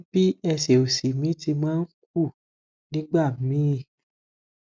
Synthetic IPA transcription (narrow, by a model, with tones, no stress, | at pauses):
b̥i˦ɛ˧se˨o˨si˨mĩ˨˦ti˧mãː˦n̩˦k̚u˦˨ | nĩ˦ɡ͡ba˦˨mĩ˨˦˨